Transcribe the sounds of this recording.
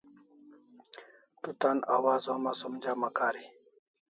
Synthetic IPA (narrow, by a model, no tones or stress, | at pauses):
t̪ut̪ana̰waːzoːmasomd͡ʑaːmɐkaːɾi